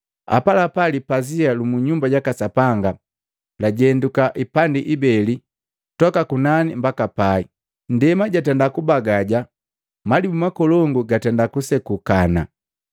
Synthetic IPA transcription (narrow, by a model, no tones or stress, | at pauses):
a̰palapalipazialumuɲumbaɟakasapaŋɡa | laɟɛndukaʔipandiʔibɛli | tɔkakunanimbakapai | ndɛmaɟatɛndakubaɡaɟa | madimumakɔlɔŋɡuɡatɛndakusɛkukana